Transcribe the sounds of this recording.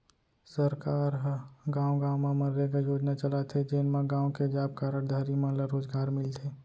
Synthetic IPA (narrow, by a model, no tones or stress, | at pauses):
səɾkaːɾɦɡãːwɡãːwmaməɾɾeɡajoːd͡ʒnat͡ʃəlat̪ʰed͡ʒeːnmãɡãːwked͡ʒaːb̚kaːɾəɽd̪ʱaɾimãləɾoːzɡaːɾmɪlt̪ʰeː